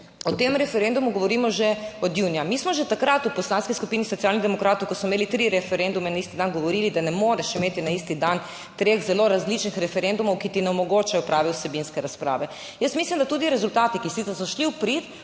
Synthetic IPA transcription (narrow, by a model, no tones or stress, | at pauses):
ɔt̪emɾɛfɛɾend̪umuɡoʋɔɾiːmɔʒɛɔd̪juːnijamismɔʒɛt̪akɾat̪uposlaːnskiskupiːnisɔt̪sialnid̪ɛmɔkɾaːt̪owkosɔmeːlit̪ɾiɾɛfɛɾend̪umɛnaist̪id̪anɡoʋoɾiːlid̪anɛmoːɾɛʃimeːt̪inaist̪id̪an | t̪ɾeːɣzɛloɾazlit͡ʃnixɾɛfɛɾend̪umɔwkit̪inɛɔmɔɡoːt͡ʃajɔpɾaːʋɛwsɛbinskɛɾaspɾa̰ːʋɛ | jəsmislimd̪at̪uːd̪iɾɛzult̪aːt̪ikisit̪ɛsɔʃliwpɾit̪